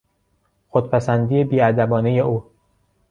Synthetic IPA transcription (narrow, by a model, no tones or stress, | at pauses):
xod̪̥̚pʰæsænd̪iːjebiːæd̪æbɒːneje̞ʔuː